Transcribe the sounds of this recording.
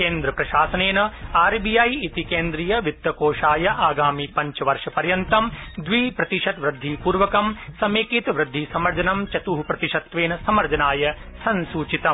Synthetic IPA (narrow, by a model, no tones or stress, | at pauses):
keːnd̪ɾɐpɾɐʃaːsɐneːnɐaːɾbijaːjit̪ikeːnd̪ɾijɐʋit̪ːɐkoːʃaːjɐʔaːɡaːmipɐɲt͡ʃɐʋɐɾʂɐpɐɾjɐnt̪ɐmd̪ʋiːpɾɐt̪iʂɐt̪ʋɾɐd̪ʱːipuːɾʋɐkɐmsɐmeːkit̪ʋɾɨd̪ʱːisɐmɐɾd͡ʒɐnɐmt͡ʃɐt̪uːɦupɾɐt̪iʂɐt̪ʋeːnɐsɐmɐɾd͡ʒɐnaːjɐsɐnsuːt͡ʃit̪ɐm